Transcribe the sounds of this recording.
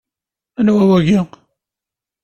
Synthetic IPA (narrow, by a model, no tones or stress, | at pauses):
ænwæwæʝi